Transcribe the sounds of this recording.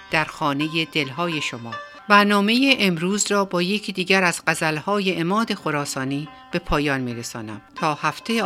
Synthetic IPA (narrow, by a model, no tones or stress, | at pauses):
d̪̥æɾxɒːne̞jed̪e̞lɦɒːje̞ʃomɒː | bæɾnɒːme̞jeʔemɾuːzrɒːbɒːje̞cʰid̪iːɟæɾæzɢæzælhɒːje̞ʔemɒːd̪e̞xoɾɒːsɒːniː | b̥e̞pʰɒːjɒːnmiːɾesɒːnæ̰mt̪ʰɒːhæft̪ʰe̞je